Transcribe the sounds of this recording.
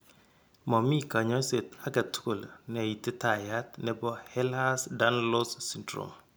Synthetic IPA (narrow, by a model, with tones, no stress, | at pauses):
mɔ˨mi˦ka˨ɲɔ˦se˨ta˦ɡa˨tu̥˦ko˨ln˨ji˨tːe˦ta˨ja˦tnɛ˨bɔ˦hɛ˦la˦sda˦n˦lo˦ssi˦ndɾo̰˨m